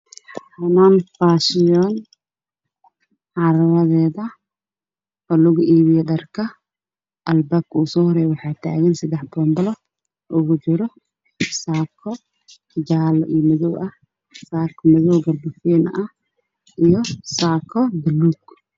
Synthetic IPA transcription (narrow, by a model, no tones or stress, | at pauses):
ħħanaːnfaːʃɪjɔn | ʕɑɾɐɾɐðɛːðɐ | ɔːlʊɣʊʔiːβɪjɛɖɐrkʰɐ | ʔɐlbaːbkʰuːsɔːhɔɾɛːjwɑħɑːt̪ʰa̰ːɣɐnsɐd̪ɛħbɔːmbɐlɐ | ʔʊɣʊt͡ʃɪɾɔ | saːkʰɔ | d͡ʒaːlɐʔijmɐðɔwʔɐ | saːrkʰɐmɐðɔwɡɐrbɐfɛːnʔɐ | ijɔsaːkʰɔbɪluːɡ